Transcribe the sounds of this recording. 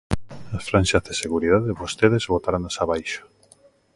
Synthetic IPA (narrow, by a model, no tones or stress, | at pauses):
asfɾanʃazðeseɣuɾiðaðeβost̪eðezβot̪aɾanasaβajʃo̥